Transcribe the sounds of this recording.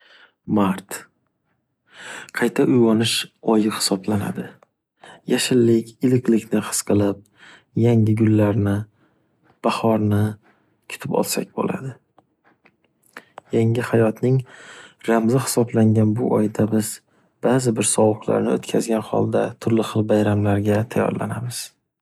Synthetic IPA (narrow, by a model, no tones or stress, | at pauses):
maɾt̪ | qʰɑjt̪ʰaʔʊjwɒnɪʃɒjɪhɪ̥sɒblana̰d̪ɪ | jaʃɪlːɪkʲʰɪlɪkʲlɪkʲnɪhɨ̥sqʰɨlˠɪp̚ | jaŋʲɪɡʲʊlːaɾnɪ | b̥ahɒɾnɪ | kʲʰʊ̥t̪ʰɪpɒ̰lˠsa̰k̚ʲbo̰la̰d̪ɪ | jaŋʲɪhajɒt̪nɪŋɾamzɪhɪ̥sɒblaŋɡʲanbʊʔɒjd̪abɪz̥ | b̥aːzɪbɪɾsɒwʊqlˠa̰ɾnɪot̪kʲʰazɡʲanhɒ̰lˠd̪at̪ʰʊɾlɪχɨlˠbajɾamlaɾɡʲat̪ʰajːɒ̰ɾla̰namɪz̥